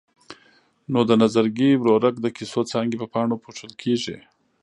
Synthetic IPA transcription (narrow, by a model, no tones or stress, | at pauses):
nod̪ənazaɾɡiwɾoɾak̚d̪əkisot͡sɑŋɡepəpɑɳopʰoʈ͡ʂəlkʰeʐḭ